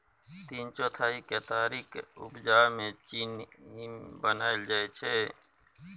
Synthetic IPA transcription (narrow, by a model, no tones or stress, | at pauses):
t̪iːnt͡ʃɔːt̪ʰaːiket̪aːɾiːkʊbd͡ʒaːmẽt͡ʃiːn | bənaːɪld͡ʒaːet͡ʃʰeː